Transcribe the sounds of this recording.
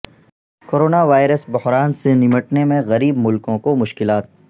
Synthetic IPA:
koːɾoːnaʋaːɪɾəsbʊɦɾaːnsenɪməʈnemẽɣɐɾiːbmʊlkõkomʊʃkɪlaːt̪̚

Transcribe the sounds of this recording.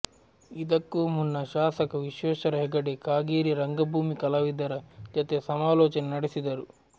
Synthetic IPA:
id̪ɐkːumunːɐʃaːsɐkɐʋiʃɛːʃɐɾɐɦɛɡɐɖekaːɡiːɾiɾɐŋɡɐbʱuːmikɐlɐʋid̪ɐɾɐd͡ʒɐt̪esɐmaːlɔːt͡ʃɐnɐnɐɽisid̪ɐɾu

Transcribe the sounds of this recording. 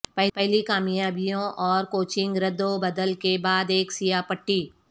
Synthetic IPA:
pɛɦpɛɦlikaːmijaːbijõʔɔːɾkoːt͡ʃɪ̃ŋɡɾɐd̪õbɐd̪əlkebaːd̪eːksijapɐʈːiː

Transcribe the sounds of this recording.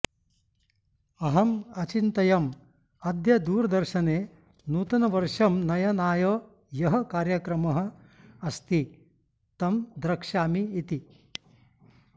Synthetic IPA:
ɐɦɐmɐt͡ʃint̪ɐjɐm | ɐd̪jɐd̪uːɾd̪ɐɾʃɐneː | nuːt̪ɐnɐʋɐɾʂɐmnɐjɐnaːjoː | jɐɦɐ̆kaːɾjɐkɾɐmɐɦɐ̆ | ɐst̪i | t̪ɐmd̪ɾɐkʂaːmiːt̪i

